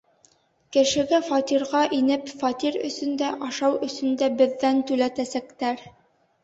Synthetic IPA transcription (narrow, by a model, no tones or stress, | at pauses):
kɘ̆ʃɘ̆ɡæfɑt̪iɾʁɑʔinɘpfɑt̪iɾɵ̰̆sɵ̆nd̪æʔɑʃɑwɵ̆sɵ̆nd̪æbɘ̆ðːænt̪ʉlæt̪æsækt̪æɾ